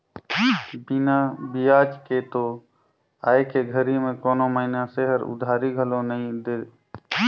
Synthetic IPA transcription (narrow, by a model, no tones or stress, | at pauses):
binabijaːt͡ʃket̪oː | aːekeɡʱəɾimẽkoːnoməinaseɦəɾʊ̰d̪ʱaːɾiɡʱəlõnəĩd̪e